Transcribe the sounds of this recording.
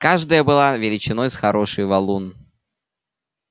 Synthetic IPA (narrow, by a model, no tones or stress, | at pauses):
kaʐd̪əjəbɨlˠavʲɪlʲɪt͡ɕɪnojsxɐɾo̞ʂɨjvɐlˠun